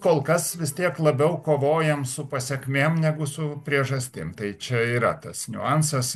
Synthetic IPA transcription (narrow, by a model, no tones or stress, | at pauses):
koːlˠkɐsʋʲɪst̪ʲiɛklˠɐbʲɛʊkoːʋoːjɛmsʊpɐsʲɛkmʲeːmnʲæɡʊsʊpʲɾʲiɛʒɐsʲt̪ʲɪmt̪ɐɪt͡ʃʲɛiːɾɐ̰t̪ɐsnʲʊ̰ɑnsɐs